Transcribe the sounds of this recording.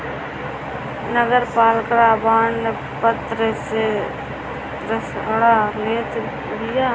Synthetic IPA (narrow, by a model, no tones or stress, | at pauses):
nəɡəɾpaːlkəɾaːbaːnne | pət̪ɾəse | ɾəsʊɽaːleːt̪ | bɪjaː